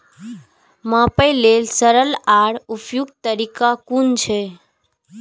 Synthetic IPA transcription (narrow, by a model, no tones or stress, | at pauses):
mãpəjlelsəɾəlaɽupjuɡ̚t̪əɾikakunt͡ʃʰe